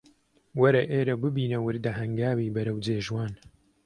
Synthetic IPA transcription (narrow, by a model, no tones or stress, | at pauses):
wɐɾɐʔeːɾɐbɨbiːnɐwɨɾd̪ɐɦɐŋɡaːwiːbɐɾɐwd͡zeːʒwaːn